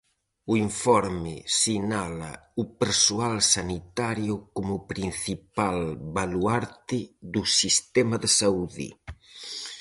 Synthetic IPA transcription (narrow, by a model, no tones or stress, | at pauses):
uiɱfɔɾmɪ̰sinala̰upeɾsualsanit̪aɾjʊkomupɾinθipalbaluaɾt̪ɪðusist̪ɛmaðesauðḭ